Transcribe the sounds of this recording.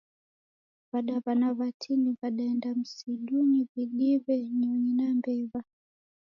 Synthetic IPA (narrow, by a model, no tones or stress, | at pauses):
βaɗaβanaβatʰiniβaɗaɛndam̩siɗuniβiɗiβɛɲɔɲinambɛβa